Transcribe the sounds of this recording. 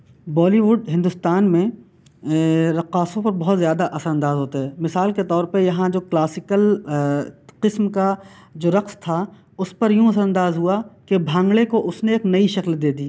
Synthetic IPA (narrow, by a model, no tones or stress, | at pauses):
bɔːliʋʊɖɦɪ̃nd̪ʊst̪aːnmẽ | ɾɐqaːsõpɐɾbɐɦt̪zjaːd̪aʔɐsəɾɐ̃nd̪aːzɦoːt̪aɦɛːmɪsaːlket̪ɔːɾpɐɾjɐɦãd͡ʒoːklaːsɪkəl | qɪsmka | d͡ʒoːɾɐqst̪ʰa | ʊspɐɾjũɐsəɾɐ̃nd̪aːzɦuakebʱãːŋɡlekoʔʊsneːknɐiʃɐkld̪eːd̪iː